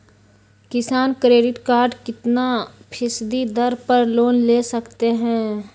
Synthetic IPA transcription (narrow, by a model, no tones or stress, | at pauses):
kɪsaːnkɾeːɖɪʈkaːɾɖkɪt̪napʰɪsd̪id̪ɐɾpɐɾloːnleːsɐkt̪eɦɛ̃ː